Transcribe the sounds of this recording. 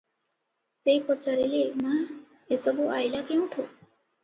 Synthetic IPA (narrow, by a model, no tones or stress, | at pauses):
sejpɔt͡ʃaɾilema | esɔbuʔajlakew̃ʈʰo